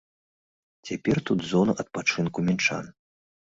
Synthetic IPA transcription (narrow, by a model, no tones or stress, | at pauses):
t͡sʲapʲɛrt̪ud̪zɔnɐʔɐt̪̚pat͡ʂɨnkumʲɛnt͡ʂa̰n